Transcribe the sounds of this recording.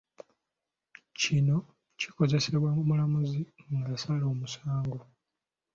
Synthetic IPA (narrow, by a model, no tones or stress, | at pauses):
cino̞ | ciko̞ze̞se̞βwamulamuziŋɡasalo̞ːmusaːŋɡo